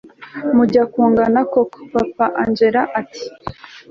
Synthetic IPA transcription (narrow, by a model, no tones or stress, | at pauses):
muɟakuːŋɡanakoku̥papaʔand͡ʒeɾaʔati̥